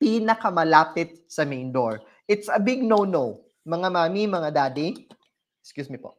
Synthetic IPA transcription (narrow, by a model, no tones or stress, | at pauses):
pinɐkɐmɐlaːpɪt̪̚sɐmejnd̪oɹ | ʔɪt̪sɐbɪɡ̚nownow | mɐŋamaːmimɐŋad̪aːd̪i | ɛkskjuːsmipoʔ